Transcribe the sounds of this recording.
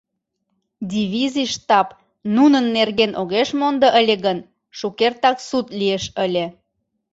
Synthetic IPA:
dʲiβʲiziʃt̪ɑp | nunənːerɣenʔoɣeʃmond̪əʔəlʲeɣən | ʃukert̪ɑksut̪lʲieʃəlʲe

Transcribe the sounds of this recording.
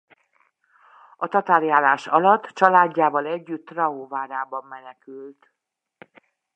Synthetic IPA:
ɒt̪ɒt̪aːɾijaːlaːʃɒlɒt̪ːt͡ʃɒlaːɟːaːvɒlɛɟːyt̪ːrɒoːvaːɾaːbɒmːɛnɛkylt̪

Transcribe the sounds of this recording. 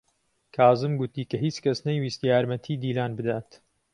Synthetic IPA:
kʰaːzɨmɡʊt̪iːkɐɦiːt͡ʃkɐsnɐjwiːst̪jaːɾmɐt̪ʰiːd̪iːlaːnbɨd̪aːt̪

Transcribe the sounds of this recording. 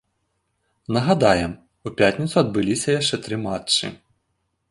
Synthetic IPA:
nɐɣad̪ajɛm | upʲat̪ʲnʲit̪suɐd̪̚bɨlʲisʲɐjaʂt͡ʂɛt̪ɾɨmat͡ʂːɨ̰

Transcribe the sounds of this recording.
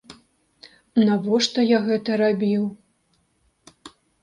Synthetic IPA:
navɔʂt̪ɔjaɣɛt̪ɐɾabʲiw

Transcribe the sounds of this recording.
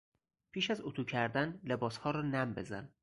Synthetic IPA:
pʰiːʃæzot̪ʰuːcʰæɾd̪ænle̞bɒːshɒːɾɒːnæmbe̞zæ̰n

